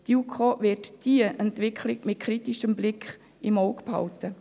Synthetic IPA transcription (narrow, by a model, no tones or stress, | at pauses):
d̥iukʰoːʋɪtd̥iəʔɛntʋɪkʰlɪɡmɪt̚kʰɾitiʃəmblɪkχ | ɪmɔʊkphɑ̰ltə